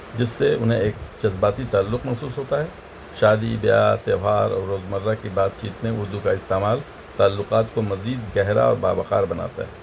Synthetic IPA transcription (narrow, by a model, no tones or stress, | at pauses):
d͡ʒɪsːeʊnɦẽeːk̚d͡ʒɐzbaːt̪it̪aːlːʊqmɐsuːsɦoːt̪aɦɛː | ʃaːd̪ibja̰t̪eːɦaːɾɔ̰ːɾːoːzmɐɾːakibaːt̪̚t͡ʃiːt̪mẽʊɾd̪ukaɪst̪eːmaːl | t̪aːlːʊqaːt̪komɐziːd̪ɡɛɦɾa̰ɔ̰ːɾba̰ːbɐqaːɾbɐna̰ːt̪a̰ɦɛː